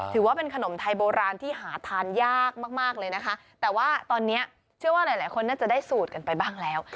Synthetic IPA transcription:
t̪ʰɯː˩˦waː˥˩pe˧nkʰa˧no˩˦mt̪ʰa˧jboː˧ɾaː˧nt̪ʰiː˥˩ɦaː˩˦t̪ʰaː˧njaː˥˩k̚maː˥˩k̚maː˥˩k̚lɤː˧jna˦˥kʰa˦˥t̪ɛː˨˩waː˥˩t̪ɔː˧nːi˦˥ɐ | t͡ɕʰɯ˥˩əwaː˥˩la˨˦jlaː˩˦jkʰo˧nːaː˥˩t͡ɕa˨˩daː˥˩jsuː˨˩t̪̚ka˧npa˧jbaː˥˩ŋlɛː˦˥w

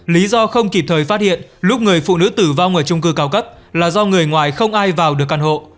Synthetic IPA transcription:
li˨˦zɔ˧xə˧wŋ͡mki˨˩p̚t̪ʰəː˨˩jfaː˦˥t̚hḭ˧˨ənlʊ˦˥k͡p̚ŋɨ˨˩əjfṵ˧˨nɨ̰˧˥t̪ɨ˧˩va˧wŋ͡mʔəː˧˩t͡ɕʊ˧ŋ͡mkɨː˧kaː˨˦wkə˦˥p̚ | laː˨˩zɔ˧ŋɨ˨˩əjŋwaː˨˩jxə˧wŋ͡mʔaː˧jvaː˨˩wɗɨ˨˩ək̚ːʔa˧nɦo̰˧˨

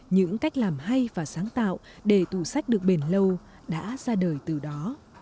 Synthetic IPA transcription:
ɲɨ̰˧˥ŋka˦˥jk̟̚laː˨˩mɦa˧jvaː˨˩saː˨˦ŋt̪a̰ː˧˨w | ɗe˧˩t̪u˧˩sa˦˥jk̚ɗɨ˨˩ək̚ɓe˨˩nlə˧w | ɗa̰ː˧˥zaː˧ɗəː˨˩jt̪ɨ˨˩ɗɔ˨˦

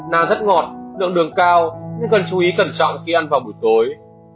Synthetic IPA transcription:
naː˧˩zə˦˥t̚ŋɔ˨˩t̚lɨ̰˧˨əŋɗɨ˨˩əŋkaː˧wɲɨ˧ŋkə˨˩nt͡ɕu˨˦ʔi˨˦kə˨˧˩nt͡ɕɔ̰˧˨wŋ͡mxi˧ʔa˧nvaː˨˩wɓu˨˩əjt̪o˨˦j

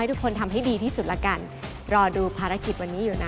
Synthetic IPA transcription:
a˥jt̪ʰu˦˥kʰːo˧nt̪ʰa˧mɦa˥˩jdiː˧t̪ʰiː˥˩su˨˩t̪̚lɛ̰˦˥ka˧n | ɾɔː˧duː˧pʰaː˧ɾa˧˥ki˨˩t̪̚wa˧nːiː˦˥juː˨˩na˦˥

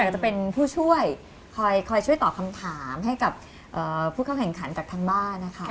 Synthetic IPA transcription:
aː˨˩k̚t͡ɕa˨˩pe˧npʰuː˥˩t͡ɕʰu˥˩əj | kʰɔː˧jkʰɔː˧jt͡ɕʰu˥˩əjt̪ɔː˨˩kʰa˧mt̪ʰaː˩˦mɦa˥˩jka˨˩p̚ | ʔɤː˨˩pʰuː˥˩kʰa˥˩kɛ˨˩ŋkʰa˩˦nt͡ɕaː˨˩k̚t̪ʰaː˧ŋbaː˥˩nːa˦˥kʰa˦˥

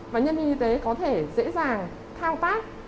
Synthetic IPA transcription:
vaː˨˩ɲə˧nmi˧ŋʔi˧t̪e˨˦kɔ˨˦t̪ʰe˧˩zḛ˧˥zaː˨˩ŋ | t̪ʰaː˧wt̪aː˦˥t̚

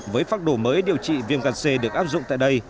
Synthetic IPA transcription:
vəː˨˦jfaː˦˥t̚ɗo˧˩məː˨˦jɗi˨əwt͡ɕḭ˧˨vi˧ənɣaː˨˩t̚se˧ɗɨ˨˩ək̚ʔaː˦˥p̚zʊ̰˧˨ŋ͡mt̪a̰ː˧˨jɗə˧j

